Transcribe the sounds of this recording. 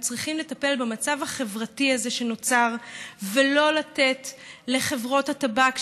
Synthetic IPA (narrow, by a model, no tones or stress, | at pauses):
t͡sʁiχimle̞tape̞lbemat͡savhaχe̞vʁatiazeʃe̞no̞t͡saʁvelo̞late̞tle̞χe̞vʁo̞thatabak